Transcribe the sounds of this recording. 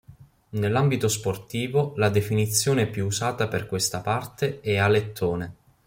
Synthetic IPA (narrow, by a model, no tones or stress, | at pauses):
nelːambit̪osport̪iːvolad̪efinit̪sːjoːneɛpːjuusaːt̪aperkwest̪apart̪eɛalet̪ʰːoːne